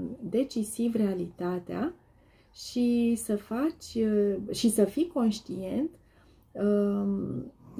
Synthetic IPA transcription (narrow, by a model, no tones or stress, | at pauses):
d̪e̞t͡ʃisivre̞alit̪at̪ea̰ | ʃisəfat͡ʃʲʃisəfiko̞nʃt̪ie̞nt̪